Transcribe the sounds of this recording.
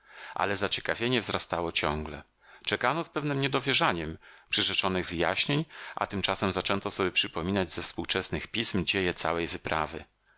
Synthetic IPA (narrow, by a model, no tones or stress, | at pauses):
ʔa̰lɛzat͡ɕɛ̥kavʲjeɲɛvzɾast̪awɔt͡ɕɔŋɡlɛ | t͡ʂɛkanɔspɛvnɘmɲɛd̪ɔvʲjɛʐaɲɛmpʂɘʐɛt͡ʂɔnɘɣvɘja̰ɕɲeɲʔa̰t̪ɘmt͡ʂasɛmzat͡ʂɛnt̪ɔsɔbʲjɛpʂɘpɔmʲinad͡ʑzɛfspuwt͡ʂɛsnɘxpʲismd͡ʑejɛt̪sa̰wɛjvɘpɾʔa̰vɘ̰